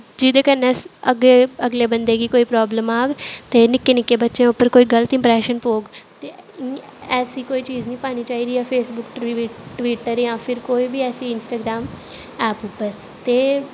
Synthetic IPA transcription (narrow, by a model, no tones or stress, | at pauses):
d͡ʒɪd̪eːkənːɛːsə̰ɡeːəɡleːbənd̪eːɡiːkoːiːpɾɔːbləmaːɡt̪eːnɪkːeːnɪkːeːbətːʃẽʊpːəɾkoːiːɡələt̪ɪ̃mpɾɛːʃənpoːɡt̪eː | ɛːsiːkoːiːt͡ʃiːznĩːpaːniːt͡ʃaːiːd̪iːɛːpʰeːsbʊkʈːʈʋiːʈəɾjãːpʰɪɾkoːiːbiːɛːsiːɪnsʈaːɡɾaːm | ɛːpʊpːəɾ | t̪eː